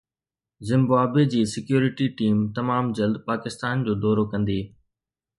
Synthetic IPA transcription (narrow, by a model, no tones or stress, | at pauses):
zɪ̃mbaːbed͡ʑiːsɪkjuːɾɪʈiʈiːmt̪ɐmaːmd͡ʑɐld̪paːkɪst̪aːnd͡ʑoːd̪ɔːɾokɐ̃nd̪iː